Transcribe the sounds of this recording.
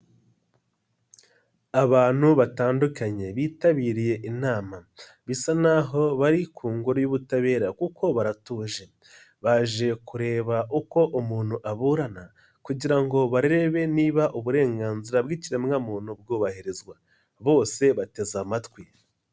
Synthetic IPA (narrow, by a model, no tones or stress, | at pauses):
aβaːn̥huβataːndukaɲe̞βiːtaβiːɾije̞ʔinaːma | βisanaɦo̞βaɾikʰuːŋɡuɾojuβutaβe̞ːɾakuko̞βaɾatuːʒe̞ | βaʒe̞kuɾe̞ːβauko̞ʔumuːn̥huʔaβuɾana | kuɟiɾaŋɡo̞βaɾiɾe̞βe̞niːβaʔuβuɾe̞ːŋɡaːnziɾabɡiːciɾe̞mŋamuːn̥hub̚ɡuːβahiɾezɡwa | βo̞ːse̞βate̞zamatwi